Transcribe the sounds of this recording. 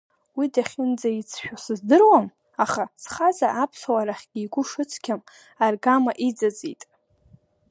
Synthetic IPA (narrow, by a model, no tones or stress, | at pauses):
widaχʲɪnd͡zait͡sʰʃᶣasɨzdɨrwam | aχat͡sʰχazaʔapʰsawaɾaχʲɡʲiːɡʷʊʂɨt͡sʰkʲʰam | arɡamaʔid͡zad͡zḭtʼ